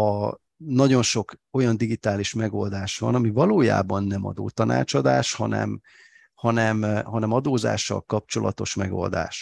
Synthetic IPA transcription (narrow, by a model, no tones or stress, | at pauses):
ɒ | nɒɟo̞nʃo̞ko̞jɒnd̪iɡit̪aːliʃmɛɡo̞ld̪aːʃʋɒ̰nɒmivɒloːja̰ːbɒnːɛmɒ̰d̪o̰ːt̪ɒna̰ːt͡ʃɒd̪aːʃhɒnɛ̰m | hɒnɛmɦɒnɛmɒd̪oːza̰ːʃːɒ̰lkɒp̚t͡ʃo̞lʔɒ̰t̪o̞ʃmɛɡo̞̰ld̪a̰ːʃ